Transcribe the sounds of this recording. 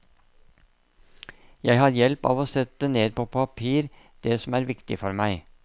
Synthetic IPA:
jæɪhɑɾjɛlpɑ̰ːʋoːsɛt̪ːəneːd̪pʰoːpʰɑpʰiːɾ | d̪̥ɛsɔmæːɾʋɪkt̪ɪ̰fɔɾmæɪ

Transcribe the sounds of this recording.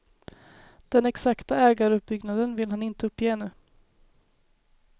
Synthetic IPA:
d̪̥ɛnɛksakt̪aɛːɡaɾɵp̚bʏɡnad̪ənvɪlɦanɪnt̪əɵpːjeːɛnʉ̟ː

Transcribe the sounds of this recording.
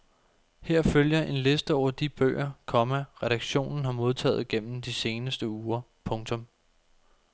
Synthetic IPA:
heɐ̰føljɐʔe̝nle̝sd̥əɒʊ̰ɐd̥ib̥ø̰ːɐkʰɒ̽mæʁɛɾɑ̈ɡ̥ɕo̝̰ːnn̩ɦɑ̈mo̝ð̞ˠt͡sʰɛ̰ːð̩ˠɡ̥en̰m̩d̥ise̝ːnəsd̥əuːɐ | pʰɔ̽ŋt͡sʰɔ̽m

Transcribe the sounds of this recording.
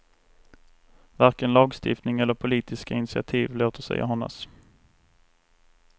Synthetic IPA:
vaɾkənlɑːɡst̪ɪ̰ft̪nɪŋɛlːəɾpʰʊliːt̪ʰɪskaɪnɪsɪa̰t̪ʰiːvloːt̪əʂɛ̰ja̰ɦɔnːa̰s

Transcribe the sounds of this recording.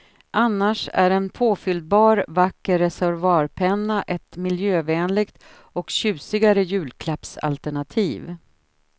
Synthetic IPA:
ʔanːaʂæ̰ɾɛnpʰoːfʏld̪̚bɑːɾvakːəɾɛsæɾvɑːɾpʰɛnːaʔɛt̪mɪljøːvɛːnlɪɡt̪ | ɔkɕʉ̟ːsɪɡaɾəjʉ̟ːlkʰlapsa̰lt̪æɳat̪ʰiːv

